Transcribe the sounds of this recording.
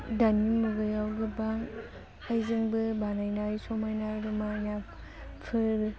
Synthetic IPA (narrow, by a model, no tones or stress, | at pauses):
danimɯɡɯjawɡɯbaŋ | hajzɯŋbɯbanajnajsɔmajnaɾumana | pʰɯɾɯ